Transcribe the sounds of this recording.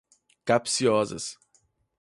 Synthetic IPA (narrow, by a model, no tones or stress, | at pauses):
kapsiɔzɐ̰s